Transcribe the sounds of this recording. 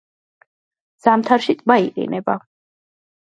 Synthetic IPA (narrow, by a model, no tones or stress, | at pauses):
z̥amt̪ʰaɾʃit̪ʼbaiqʼḭnɛba